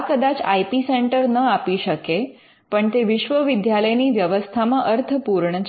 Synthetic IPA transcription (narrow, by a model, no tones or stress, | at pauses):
kəd̪at͡ɕa̰jpiseɳʈəɾnəapiɕəke | pəɳt̪eʋiɕʋəʋid̪ʱjaləjniːʋjəʋəst̪ʰamaʔəɾt̪ʰəpuɾɳət͡ɕ